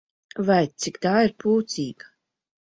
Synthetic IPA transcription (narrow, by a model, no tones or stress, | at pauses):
vajt̪sikt̪aːiɾpuːt̪siːɡa